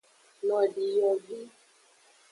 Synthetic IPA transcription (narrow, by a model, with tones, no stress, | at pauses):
nɔ̃˨ɖi˨jɔ̃˨ɖi˦